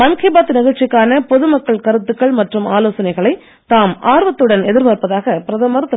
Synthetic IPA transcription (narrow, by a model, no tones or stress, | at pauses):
mɐnkɐɪbaːt̪ːɯnɪɣɐɻt͡ʃːɪkːaːnɐpɔðɯmɐkːɐɭkɐɾɯt̪ːɯkːɐɭmɐʈrɯmaːloːsɐnɐɪɣɐɭɐɪ | t̪aːmaːɾʋɐt̪ːɯɽɐnɛðɪɾʋaːɾpɐðaːɣɐpɪɾɐðɐmɐɾɐt̪ːɯ